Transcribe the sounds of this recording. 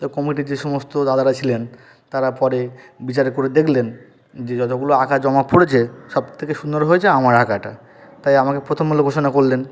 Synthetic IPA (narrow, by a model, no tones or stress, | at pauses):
t̪okɔmiʈ̬id͡ʑeʃɔmost̪od̪ad̪aɾat͡ɕʰilen | t̪aɾapɔɾe | bit͡ɕaɾekoɾed̪ekʰlen | d͡ʑed͡ʑɔt̪oɡuloakʰad͡ʑɔmakpoɽet͡ɕʰeʃɔb̚t̪ʰekeʃund̪oɾɦoet͡ɕʰeamaɾakaʈa | t̪ajamakepɾot̪ʰomɡuloɡʱoʃonakoɾlen